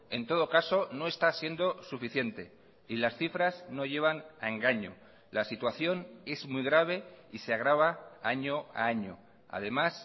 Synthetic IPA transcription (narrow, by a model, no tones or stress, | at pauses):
e̞nt̪o̞ðo̞kaso̞no̞e̞st̪asje̞nd̪o̞sufiθje̞nt̪e̞ | ilasθifɾazno̞ʝe̞β̞ana̰e̞ŋɡaɲo̞̰ | lasit̪waθjo̞ne̞zmujɣɾaβ̞e̞iseaɣ̞ɾaβ̞aaɲo̞a̰aɲo̞̰ | a̰ðe̞mas